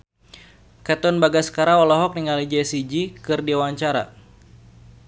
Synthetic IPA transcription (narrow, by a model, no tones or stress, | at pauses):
kat̪ɔnbaɡasə̥kaɾaɔlɔɦɔk̚niŋalid͡ʒɛsid͡ʒikɨrdiawaɲt͡ʃaɾa̰